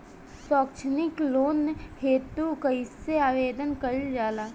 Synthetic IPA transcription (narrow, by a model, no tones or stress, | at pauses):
sɔːkt͡ʃʰnɪkloːnːheːt̪ukaɪsːeaːʋeːd̪ənkɐɾd͡ʒaːlaː